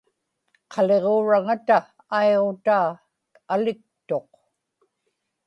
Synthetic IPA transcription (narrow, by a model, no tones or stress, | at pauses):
qʰɑle̞ʁoːɻaŋat̪aː | eʁo̞t̪aː | alɪk̚t̪o̞q